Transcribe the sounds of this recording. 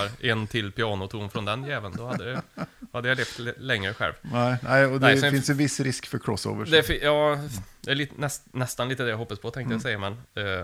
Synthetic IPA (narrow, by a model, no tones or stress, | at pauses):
ɾʔɛnt̪ʰɪlpɪɑːnʊt̪ʰuːnfɾɔnd̪ɛnjɛːvənd̪ɔhad̪ːəhad̪ːəjaleːft̪lɛŋːɾəɧɛ̰lvnæɪnæɪɔd̪ɛæɪɪnsjɛvɪsːɾɪskfœɾkʰɾɔsːo̰ːvəd̪ɛfɪjɑːd̪ɛælit̪nɛsnɛst̪anliːt̪əd̪ɛjaɦɔpːaspʰɔt̪ʰɛŋkt̪əjasɛjːamɛn